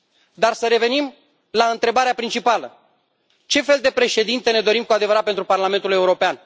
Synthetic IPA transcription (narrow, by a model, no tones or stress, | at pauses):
d̪arsəɾe̞ve̞nim | laɨnt̪ɾe̞baɾeapɾint͡ʃipalə | t͡ʃe̞fe̞ld̪e̞pɾe̞ʃe̞d̪int̪e̞ne̞d̪o̞ɾimkuad̪e̞vəɾat̪pent̪ɾuparlame̞nt̪ule̞uɾo̞pean